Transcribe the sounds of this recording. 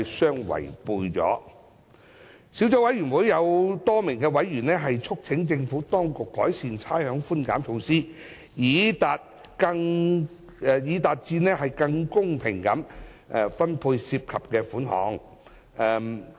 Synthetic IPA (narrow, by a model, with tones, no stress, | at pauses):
jsœː˥ŋwɐ̰˨˩jpuː˧jt͡sɔ̰ː˨˥ | siː˨˥wt͡sɔ˨˥wɐ˨˥jɥy˨˩nwuː˨˥jjɐ˨˧wt̪ɔː˥mɪ˨˩ŋkɛː˧wɐ˨˥jɥyː˨˩nɛː˥ɦɐ˨jt͡sʰʊ˥k̚t͡sʰɪ˨˥ŋt͡sɪ˧ŋfuː˨˥t̪ɔː˥ŋkʊ˨kːɔː˨˥jsiː˧nt͡sʰaː˥jhœː˨˥ŋfuː˥nka̰ː˨˥mt͡sʰʊ˧ŋsiː˥ | jiː˨˧t̪aː˨t̚kɐ˧ŋ | ɛ˧jiː˨˥t̪aː˨t̚t͡siː˧nɛː˥hɐ˨jkɐ˧ŋkʊ˥ŋpʰɪ˨˩ŋkɐ˨˧˥m | ʔɛ˨˧fɐ˥npʰuː˧jsiː˧p̚kʰɐ˨p̚kɛː˧fuː˨˥nhɔ̰ː˨˥ŋ | ɛː˧m